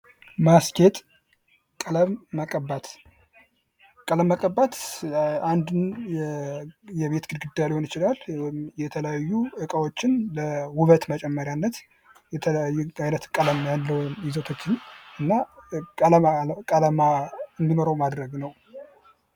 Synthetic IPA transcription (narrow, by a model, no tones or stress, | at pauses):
maskʰe̞t̪ʼ | kʼələmːəkʼəbːat̪ʰ | kʼələmːəkʼəbːat̪and̪ɨn | jɛβe̞t̪ɡɨd̪ɡɨd̪ːajalehonɪt͡ʃɪlaljɛt̪ʰələjajːuʔɨkʼəwo̞t͡ʃːɪnləwʊβət̪mət͡ʃʼɛmːəɾjanːət̪ | jɛt̪ʰələjajːuajnət̪kʼələmjalːəwnjɪzot̪ʰo̞t͡ʃːɪnʔɨnːaələkʼələmaɨnd̪inoɾəwmad̪ɾəɡnəw